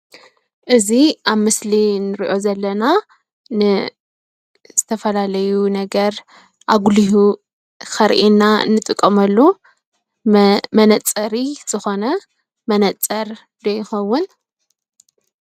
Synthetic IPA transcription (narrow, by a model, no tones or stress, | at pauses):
ʔɨziʔaβmɨslinɨɾiʔo̞zɐlːɐna | nɨ | z̥ɨt̪ʰɐfɐlalɐjunɐɡɐɾ | ʔaɡuliɦu | kɐɾʔinːaɨ̰nːɨt̪ʼɨkʼːɐmɐlːu | mɐnɐt͡sʼɐɾiz̥ɨxo̞nɐ | mɐnɐt͡sʼɐɾ | d̪ɐjːɪxɐwːʊn